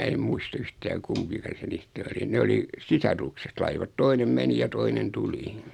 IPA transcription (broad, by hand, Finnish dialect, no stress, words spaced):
e muist yhtæː kumpikɑ se niːstæ oli ne oli sisɑrukset lɑiʋɑt toinem meni jɑ toinen tuli